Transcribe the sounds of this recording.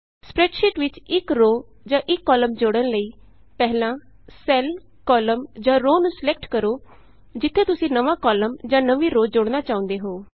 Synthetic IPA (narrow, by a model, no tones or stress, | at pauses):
spɾɛːʈʃɪʈʋɪt͡ʃɪkɾoː | d͡ʒãːʔɪkːɔːləmd͡ʒoɽənləiː | pɛɦlãː | sɛːl | kɔːləmd͡ʒãːɾoːnũsɪlɛk̚ʈkəɾoː | d͡ʒɪt̪ʰːeːt̪ʊsĩːnəʋãːkɔːləmd͡ʒãːnəʋiːɾoːd͡ʒoɽnaːt͡ʃaːʊ̃nd̪eːɦoː